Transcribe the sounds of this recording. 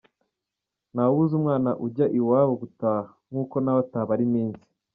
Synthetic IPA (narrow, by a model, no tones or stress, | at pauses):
nauzumŋaːnaʔuɟaʔiwaːβoɡutaːhaŋ̥uːko̞nawataːβaɾimiːnsi̥